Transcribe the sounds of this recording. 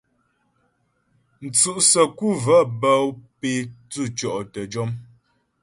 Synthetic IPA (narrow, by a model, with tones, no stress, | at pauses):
n̩˨t͡su˨ʔsə˨ku˦˨və˦bə˦pe˦tu˦˨t͡ʃɔ˨ʔtə˨d͡ʒɔ˦m